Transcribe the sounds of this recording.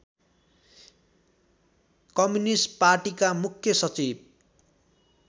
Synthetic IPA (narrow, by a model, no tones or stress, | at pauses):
kʌmjunisʈparʈikamukʰjʌsʌt͡sib̚